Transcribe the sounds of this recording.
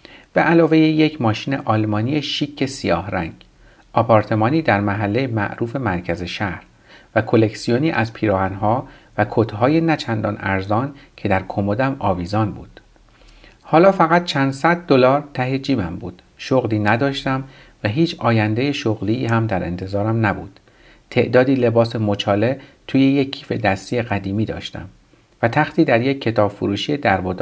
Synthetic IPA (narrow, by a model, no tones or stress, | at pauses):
b̥e̞ʔælɒːve̞jejecʰmɒːʃiːne̞̰ʔɒːlmɒːnijeʃiːcʰːe̞sijɒːhɾæ̰ŋɡ | ʔɒpʰɒːɾt̪ʰe̞mɒːniːd̪æɾmæɦælːejemæ̰ʔɾuːfe̞mæɾcʰæze̞ʃæhɾ | vækʰole̞csijoniːʔæzpʰiːɾɒːɦænɦɒːvækʰot̪ʰɦɒːje̞næt͡ʃʰænd̪ɒːnæɾzɒːncʰe̞d̪æɾkʰomod̪æmɒːviːzɒːnbṵːd̪̥ | hɒːlɒːfæɣæt̪̚t͡ʃʰænd̪sæd̪̚ːolɒːɾt̪ʰæɦe̞d͡ʒiːmæmbuːd̪̥ | ʃoɣliːnæd̪ɒːʃt̪æm | væɦiːt͡ʃʰɒːjænd̪e̞je̞ʃoɣliːɦæmd̪æɾʔe̞̰nt̪ʰe̞zɒːɾæmnæbṵːd̪̥ | t̪ʰe̞ʔd̪ɒːd̪iːle̞bɒːsemot͡ʃʰɒːle̞t̪ʰuːje̞jekʰːiːfe̞d̪æst̪ijeɣæd̪iːmiːd̪ɒ̰ːʃt̪æ̰m | væt̪ʰæxt̪iːd̪æɾje̞cʰːe̞t̪ʰɒːb̥fuɾuːʃiːjed̪æɾbod̪